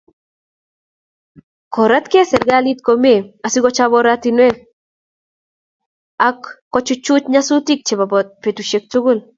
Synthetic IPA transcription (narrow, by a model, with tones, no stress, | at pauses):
kɔ˨ɾa˦t̪ke˦sɛ˨ɾɡa˦li˦t̪̚ko˨me˦˨a˨si˦ɡɔ˦t͡ʃa˦βɔɾat̪i˦nwe˦ | a˦kː | ɔ˦t͡ʃʊ˦t͡ʃʊ˦t͡ʃɲa˦su˦ti˦k̚t͡ʃe˨ba˨ɔpe˨tu˨ʃe˦k̚tu˦ɡʊ˦˨l